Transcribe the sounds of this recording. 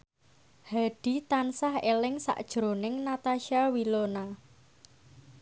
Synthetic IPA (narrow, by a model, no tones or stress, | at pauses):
haɖ̥i̤t̪ansahelɪŋsa̰ʔd̥ʒ̥ɾonɪŋnat̪aʃawilona